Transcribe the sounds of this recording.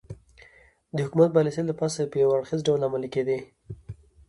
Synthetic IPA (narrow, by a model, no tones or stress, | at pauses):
d̪əhʊkumat̪̚balɪsilapɑsapəjawaɽxizɖawlamaliked̪i